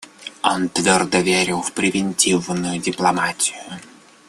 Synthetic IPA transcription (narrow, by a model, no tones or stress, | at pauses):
ont̪vʲɔrd̪əvʲeɾʲɪlˠfpɾʲɪvʲɪnʲtʲivnʊjʊdʲɪplˠɐmatʲɪjʊ